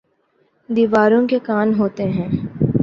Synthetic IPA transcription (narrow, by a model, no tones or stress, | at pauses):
d̪iːʋaːɾõkekaːnɦoːt̪eɦɛ̃ː